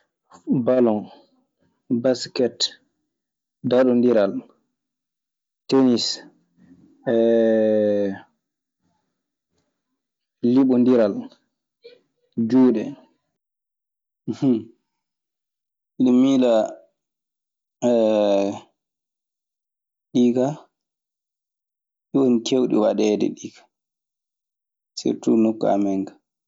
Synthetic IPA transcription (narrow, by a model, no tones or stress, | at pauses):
balɔn | baskɛt | daɗɔndiɾal | tenis | ɛ | lːiɓɔndiɾal | d͡ʒuːɗɛ | h | iɗɔmiːla | ɛ | ɗiːka | ɗiwonkewɗḭwaɗɛːdɛ̰ɗiːkḁ | sḭɾtṵnokːa̰mɛŋkḁ